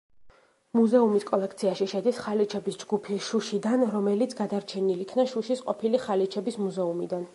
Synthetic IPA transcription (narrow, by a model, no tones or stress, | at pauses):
muzɛumiskʼɔlɛk̚ʰt̪sʰiaʃiʃɛd̪isχalit͡ʃʰɛbisd͡ʒɡupʰiʃuʃid̪anɾɔmɛlit̪sʰɡad̪aɾt͡ʃʰɛnilikʰnaʃuʃisqʼɔpʰiliχalit͡ʃʰɛbismuzɛumḭd̪an